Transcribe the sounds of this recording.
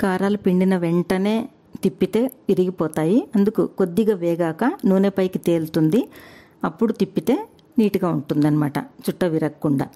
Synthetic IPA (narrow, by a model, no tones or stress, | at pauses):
kaːɾaːlupiɳɖinɐʋeɳʈɐne̞ː | t̪ipːit̪e̞ːiɾiɡipɔːt̪aːjiɐnd̪ukuko̞d̪ːiɡaːʋɛːɡaːkɐnuʋːneːpɐjkit̪e̞ːlt̪und̪i | ɐpːuɽut̪ipːit̪e̞ː | niːʈuɡaːuɳʈund̪ɐnimaːʈɐ̰t͡ʃuʈːɐʋiɾɐkkːuɳɖa̰ː